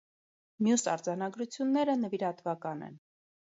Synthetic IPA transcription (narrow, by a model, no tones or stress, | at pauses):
mjusɑ̰ɾd͡zɑnɑɡɾut͡sʰjunːɛɾənəviɾɑt̪vɑkɑnɛ̰n